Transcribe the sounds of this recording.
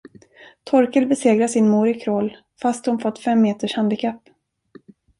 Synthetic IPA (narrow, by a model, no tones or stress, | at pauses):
t̪ʰɔɾkəlbɛseːɡɾasɪnmuːɾɪkʰɾoːl | fast̪hʊnfɔt̪ːfɛmːeːt̪əʂhand̪ɪkʰapː